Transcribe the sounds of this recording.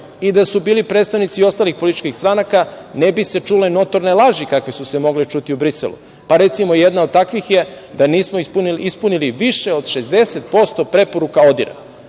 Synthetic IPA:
id̪asubiːlipɾed̪st̪aʋnit̪sio̞st̪aːlixpo̞lit̪it͡ʃkixst̪ɾanakanebise̞t͡ʃuleno̞t̪o̞ɾnelˠaʒikakʋesusemo̞ɡlit͡ʃut̪iubɾiselṵ | paɾe̞t̪simojed̪naod̪̚t̪akʋixje̞ | d̪aniːsmouniispuniliʋiʃeo̞d̪ʃe̞zd̪e̞set̪̚po̞st̪o̞pɾe̞po̞ɾukao̞d̪ḭɾa̰

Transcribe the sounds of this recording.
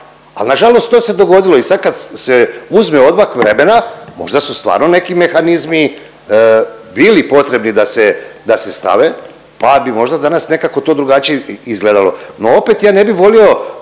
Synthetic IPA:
a̰lnaʒalo̞st̪ːose̞d̪o̞ɡo̞d̪ilo̞isad̪̚kad̪seuzmeo̞d̪makʋɾe̞me̞namo̞̰ʒd̪asust̪ʋa̰ːɾno̞ne̞kime̞xanizmi | bilipo̞t̪ɾe̞bnid̪ased̪ase̞st̪a̰ʋe̞ | pabimo̞ʒd̪ad̪anasne̞kako̞t̪o̞ːd̪ɾuɡat͡ʃijeizɡled̪alo̰noo̞pe̞t̪jaːne̞biʋo̞lio̞

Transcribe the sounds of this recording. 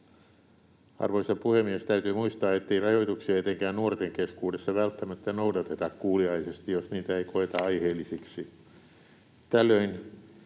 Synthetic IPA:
ɑ̰rʋoisɑpuhemːiest̪æyt̪yːmuist̪ɑːet̪ːeirɑjoit̪uksiɑet̪eŋkæːnnuort̪eŋkeskuːdesːɑʋælt̪ːæmæt̪ːænoudɑt̪et̪ɑkkuːliɑisest̪ijosniːt̪æeikoet̪ɑɑiheːlːisiksi | t̪ælːøin

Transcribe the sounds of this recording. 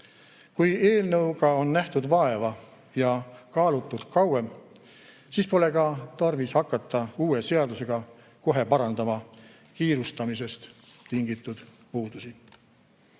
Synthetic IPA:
kuje̞ːlnɤwɡɑo̞nːæht̪ud̪̥vɑe̞vɑ | jɑkɑːlut̪ːˑud̪̥kɑwe̞m | sispo̞le̞kɑt̪ɑrvishɑkːˑɑt̪ːˑɑuːe̞se̞ɑd̪use̞ɡ̥ɑ | ko̞ɦe̞pɑɾɑnd̪ɑmɑ | kiːɾust̪ɑmis̬e̞st̪t̪iŋɡit̪ːˑud̪̥ | puːd̪̥usi

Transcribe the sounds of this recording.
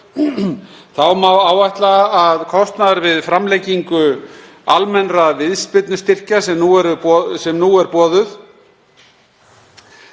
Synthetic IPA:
θawmawaːwajht̪laaðkʰɔst̪naðaɾvɪðfɾamlejcːiŋkʏ | almɛnɾavɪðspɪt̪nʏst̪ɪr̥casɛmnuɛɾʏɔsɛmnuɛɾpɔːðʏθ

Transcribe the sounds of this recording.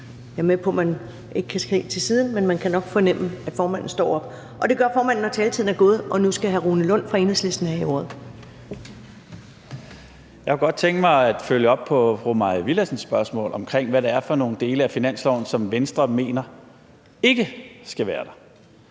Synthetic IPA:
æɐmepʰɔ̽mæn | ʔe̝ɡ̥əkʰæsɡ̥ʁḛːt͡sʰe̝lsiːð̞ˠn̩menmænkʰænɒ̽ɡ̥fɒ̽nem̰əæ̥fɒːmæn̰n̩sd̥ɒ̰ːɒ̽b̥ | ʔɒ̽d̥e̝ɡ̥ɶɐfɒːmæn̰n̩ːɒt͡sʰɛːlt͡sʰið̰ˠnæɐɡ̥o̝ːð̞ˠʔɒ̽nusɡ̥æɦæʁuːnəlɔ̽n̰fʁɑ̈e̝ːnəsle̝sd̥n̩æio̝̰ːɐðˠ | jɑkʰæɡ̥ɒ̽d̥̚t͡sʰeŋ̰ɡ̥əmɑ̈ɪæd̥føljəɒ̽b̥̚pʰɒ̽fʁumɑ̈ɪʋilæsn̩sːb̥ɶɐsmɔ̰̽ːlʔɒ̽mkʰʁeŋ̰ʋæɾɑ̈æɐfɒ̽no̝ːn̩d̥e̝ːləæfinæn̰slɒʊn̩sɒ̽mʋensd̥ʁɐme̝̰ːnɐ | e̝ɡ̥əsɡ̥æʋæːɐd̥ɑ̈

